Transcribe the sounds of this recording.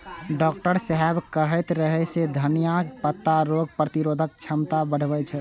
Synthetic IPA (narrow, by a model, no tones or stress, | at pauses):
ɖɔːk̚ʈəɾsəɦɛbkəɦɛt̪ɾəɦɛsed̪ʱənijapət̪ːaɾoɡ̚pɾət̪iɾod̪ʱək̚t͡ʃʰəmt̪abəɽ̤bɛt͡ʃʰɛ